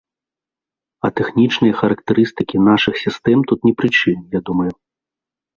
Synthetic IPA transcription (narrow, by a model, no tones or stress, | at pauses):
ɐ̰t̪ɛxnʲit͡ʂnɐjɐxɐɾɐkt̪ɛɾɨst̪ɨkʲinaʂɨxsʲist̪ɛmt̪ut̪nʲɛpɾɨt͡ʂɨnjad̪umɐju